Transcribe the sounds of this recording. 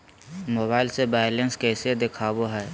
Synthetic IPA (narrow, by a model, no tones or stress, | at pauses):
moːbaːɪlsebɛlənskɛːsed̪ɪkʰaːboɦɛː